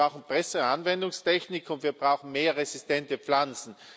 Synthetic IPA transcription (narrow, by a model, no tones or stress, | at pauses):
aʊxn̩pʁ̥ɛsəanvɛndʊŋstʰɛçnɪkʰʊntviːɐbʁaʊxn̩meːɐʁezistɛntəp͡flant͡sn̩